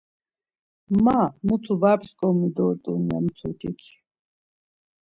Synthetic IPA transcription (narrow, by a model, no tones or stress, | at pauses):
mamut̪ʰuvapskʼɔmid̪ɔɾt̪ʼumiamt̪t͡s̪ʰut̪ʰikʰi̥